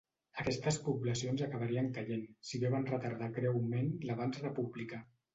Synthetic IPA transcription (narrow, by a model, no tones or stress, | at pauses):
əkɛst̪əspuβləsionzakəβaɾiəŋkəʎensiβeβanrət̪aɾð̞akɾɛwmenləβ̞ansrəpublika